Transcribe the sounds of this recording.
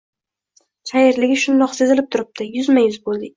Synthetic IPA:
ʃajɪɾlɪɡʲɪʃʊnd̪ɒqsezɪlɪp̚t̪ʰʊɾɪp̚t̪ʰɪjʊzmajʊzbolˠd̪ɪkʲ

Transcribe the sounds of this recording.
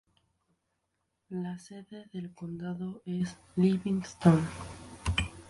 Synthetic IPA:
lase̞ðe̞ðe̞lkond̪aðoes | liβiŋst̪on

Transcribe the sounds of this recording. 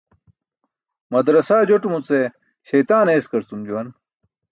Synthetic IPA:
mɐd̪ɾɐsaːd͡ʑoʈumut͡se | ɕɐjt̪aːneːskɐɾt͡s̪umd͡ʑuwɐn

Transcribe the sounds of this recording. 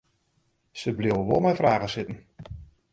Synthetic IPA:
səblɪwəʋolˠmɛjfraːɣəsɪtən̩

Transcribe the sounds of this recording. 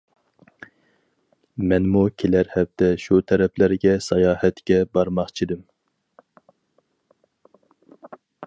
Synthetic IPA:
mɛnmukʲʰelæɾhɛp̚d̪ɛʃut̪ʰɛɾɛpʰlæɾɡʲɛsɑjɑːhɛt̪kʲɛbɑɾmɑχt͡ʃʰid̪ɪm

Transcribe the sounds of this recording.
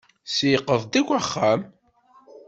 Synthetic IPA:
sjqːəðˤd̪ækʷæχːæm

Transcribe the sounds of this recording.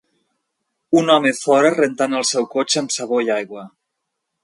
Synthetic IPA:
unɔmefɔɾərent̪anəlˠsɛwkot͡ʃəmsəβ̞oiajɣwə

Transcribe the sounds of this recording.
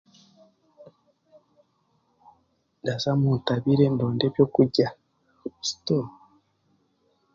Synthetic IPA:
ndazamutaβiɾe̞ndoːnde̞βjo̞kuɟa | si̥to

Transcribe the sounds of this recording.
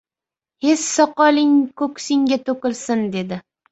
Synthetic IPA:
he̞ssɒqɒlɪŋkʰɵkʲsɪŋɡʲat̪ʰokʲɪlsɪnd̪e̞d̪ɪ

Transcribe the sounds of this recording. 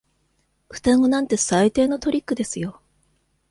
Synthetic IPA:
ɸɯ̟̥t̪aŋonãnt̪e̞sait̪e̞ːno̞t̪o̞ɾʲikːɯ̟d̪e̞sɨjo̞

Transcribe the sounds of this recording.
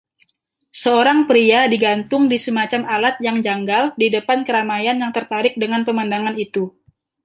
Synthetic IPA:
səoɾaŋpɾiadiɡant̪ʊŋdisəmat͡ʃamalat̪̚jaŋd͡ʒaŋɡaldidəpankəɾamajanjaŋt̪ərt̪aɾɪk̚dəŋanpəmandaŋanit̪u

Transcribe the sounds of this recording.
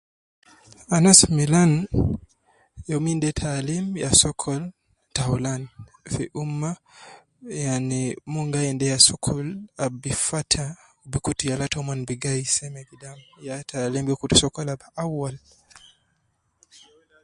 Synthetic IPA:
anasmilan | jɔmindɛtʰalimjasɔkʰɔl | taulan | fiʔumːa | janimɔŋɡaɛndɛjasukʰulabifatʰa | ubikutijalatɔmanbiɡaisɛmɛɡidamjatʰalimjɔkutusɔkɔlabaawal

